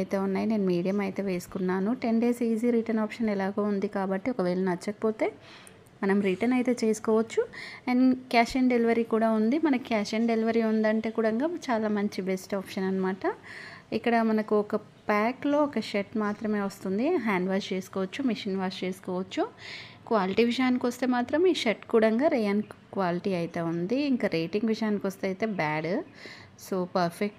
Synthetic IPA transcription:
jt̪e̞ːunːaːjine̞ːnumiːɽijɐmɐjt̪e̞ːʋe̞ːsu̥kunːaːnuʈe̞ɳɖeːsiːziːɾiːʈɐnaːpʂɐnɛlaːɡɐːund̪ikaːbɐʈːiɔkɐʋeːɭɐnɐt͡ʃːɐkɐ̥poːt̪e̞ː | mɐnɐmɾiʈɐnɐjt̪e̞ːt͡ʃe̞ːsu̥kɔːʋɐt͡ʃːunkaːʃeɳɖeliʋɐɾiːkuːɽaːund̪imɐnɐkaːʃeɳɖe̞liʋɐɾiːund̪ɐɳʈeːkuːɽɐŋɡaːt͡ʃaːlaːmɐɲt͡ʃibesʈaːpʂɐnɐnːɐmaːʈɐikːɐɽɐmɐnɐkuɔkɐ | paːklo̞ːɔkɐʃeʈmaːt̪ɾɐme̞ːʋɐst̪und̪iɦaːɳɖʋaːst͡ʃeːsu̥kɔːʋɐt͡ʃːumiʂinʋaːɾst͡ʃeːsu̥kɔːʋɐt͡ʃːukʋaːliʈiːʋiʃjaːnikiʋɐst̪e̞ːmaːt̪ɾɐmiːʃeʈkuːɽɐŋɡaːɾejɐnkʋaːliʈiːɐjt̪e̞ːund̪iːŋkaːɾeːʈiŋɡʋiʃjaːnikʋɐst̪eɐjt̪e̞ːbaːɖ | soːpɐɾpʰek̚ʈ

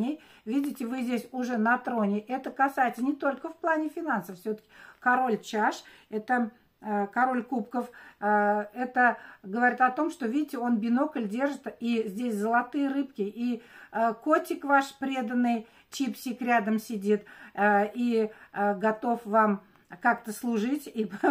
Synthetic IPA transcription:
ɪj | vʲidʲɪtʲɪvɨzʲdʲesʲʊʐɛnɐt̪ɾo̞nʲɪʔɛt̪əkɐsajɪt̪sənʲɪt̪o̞lʲkəfplˠanʲɪfʲɪnansəffsʲot̪ə̥kʲɪkɐɾo̞lʲt͡ɕaʂ | ɛt̪ə | kɐɾo̞lʲkupkəf | ɛt̪əɡəvɐɾʲit̪ɐt̪o̞mʂt̪o̞vʲidʲɪtʲɪo̞nbʲɪno̞kəlʲdʲe̞rʐɨt̪izʲdʲesʲzəlˠɐt̪ɨjəɾɨpkʲɪʔi | ko̞tʲɪkvaʂpɾʲe̞d̪ənːɨj | t͡ɕipsʲikɾʲad̪əmsʲɪdʲit̪ | i | ɡɐt̪o̞fvam | kakt̪əslˠʊʐɨtʲi

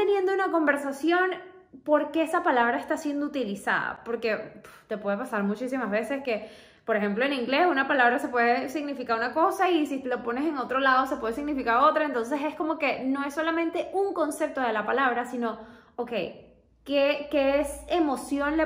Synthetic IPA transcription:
enje̞nd̪ounako̞mbe̞ɾsasjo̞n | po̞ɾke̞esapalaβ̞ɾae̞st̪asje̞nd̪out̪ilisa̰ða̰po̞ɾke̞t̪e̞pwe̞ð̞e̞pasaɾmut͡ʃisimazβe̞se̞ske̞ | po̞ɾe̞xe̞mplo̞eniŋɡle̞sunapalaβɾase̞pwe̞ðesiɣnifikaɾunako̞saisilo̞po̞ne̞se̞ŋo̞t̪ɾo̞lað̞o̞se̞pweðesiɣnifikaɾo̞t̪ɾae̞nt̪o̞nse̞se̞sko̞mo̞ke̞no̞e̞sːo̞lamẽ̞nt̪e̞ʔuŋko̞nse̞p̚t̪o̞ð̞e̞lapalaβɾasino̞oke̞̰j | kekeese̞mo̞sjo̞nle

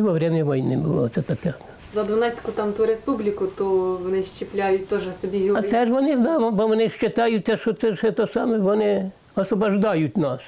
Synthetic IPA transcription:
iʋɔʋɾʲɛmʲnʲɛʋɔjnɪ̰bʊ̰lˠɔ̰tsɛt̪ɐkɛ | zɐd̪ʋɔnɛt͡sʲkʊt̪ɑmt̪uɾespublʲikʊt̪ɔʋɔnɪʃt͡ʃɪplʲajʊt̚ʲt̪ɔʒɛsɔbʲiɦɐt̪ɛʒʋɔnɪzd̪ɑʋbɔʋɔnɪʃt͡ʃɪt̪ɑjʊt̚ʲsɛʃɔt̪sɛʂɛt̪ɔsɑmɛʋɔnɪ | ɔsʋɔbɐʒd̪ɑjʊtʲnɑs

